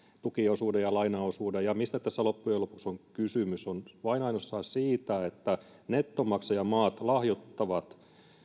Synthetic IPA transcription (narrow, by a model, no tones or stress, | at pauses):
t̪ukiosuːdejɑlɑinɑosuːdejɑmist̪æt̪æsːælopːujelopu̥ksoŋkysymysonʋɑinɑinosːɑːsiːt̪æet̪ːæ | net̪ːomɑksɑjɑmɑːt̪lɑhjot̪ːɑʋɑt̪